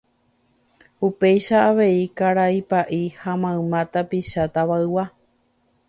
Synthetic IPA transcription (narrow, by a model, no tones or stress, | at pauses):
upe̞jʃaːʋe̞ikaɾaipaʔihamãɨ̃mãt̪apiʃat̪aʋaɨwa